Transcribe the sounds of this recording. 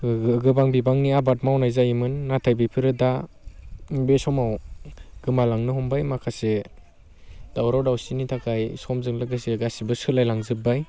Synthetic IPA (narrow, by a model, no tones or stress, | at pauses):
ɡɯbaŋbibaŋniabat̚mawnajzajimɯnːatʰajbipʰɯɾɯda | besɔmawɡ̥ɯmalaŋnɯɦɔmbajmakʰase | d̥awɾawdawsinitʰakʰajsɔmzɯŋlaɡɯseɡasibɯsɯlajlaŋzɯp̚ːaj